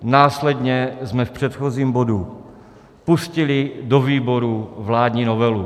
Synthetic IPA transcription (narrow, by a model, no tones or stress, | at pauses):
naːslɛdɲɛzmɛfpr̝̥ɛt̪xoziːmbo̞du | puscɪlɪdoviːbo̞ɾuvlaːdɲiːnovɛlu